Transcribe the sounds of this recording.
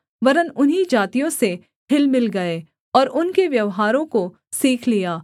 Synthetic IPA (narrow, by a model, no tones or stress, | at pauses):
ʋɐɾənʊnɦid͡ʒaːt̪ijõse | hʰɪlmɪlɡɐeː | ɔːɾʊnkeʋjɐʋɦaːɾõko | siːkʰlijaː